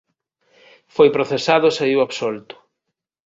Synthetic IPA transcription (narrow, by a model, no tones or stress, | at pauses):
fojpɾoθesaðʊeseiwaβsolt̪ʊ̥